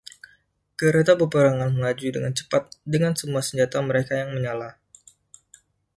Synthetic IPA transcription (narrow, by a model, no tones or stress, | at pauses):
kəɾet̪apəpəɾaŋanməŋad͡ʒudəŋant͡ʃə̥pat̪̚dəŋansəmuasəɲd͡ʒat̪aməɾekajaŋməɲala